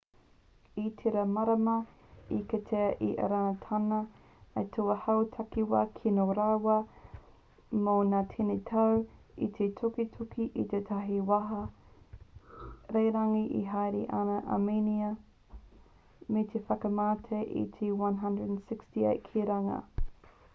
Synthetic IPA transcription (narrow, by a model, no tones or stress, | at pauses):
itʰeɾɐmɐɾɐmɐ | ikɐt̪ʰeɐʔiʔɐ̰ɾanɐt̪ʰɐnɐ | ɐtʰoɐhɐwtʰɐkiwɐkʰinoɾaːwɐ | monaːtʰenetʰɐwḭt̪ʰetʰokitʰukiʔit̪etʰɐɦiwɐɦɐ | ɾejɾɐŋiʔḭɦajɾiʔɐnɐʔɐ̰meniɐ | met̪ʰefɐkɐmaːtʰeʔḭt̪ʰiwãnɦɐndɹədnsɪkstiḛjt̚kʰiɾɐŋɐ̰